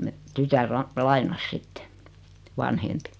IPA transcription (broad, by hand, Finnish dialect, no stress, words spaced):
me tytær lɑ lɑinɑs sitːe ʋɑnhempi